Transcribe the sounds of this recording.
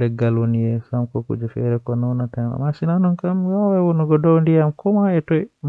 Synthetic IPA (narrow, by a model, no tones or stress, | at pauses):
ɛɡalwonijɛsamkɔkṵd͡ʒɛfɛɾɛkɔnɔwnatana̰masinanɔnkamwawɛwɔnɔɡɔdɔwndijamkɔmaɛtɔjm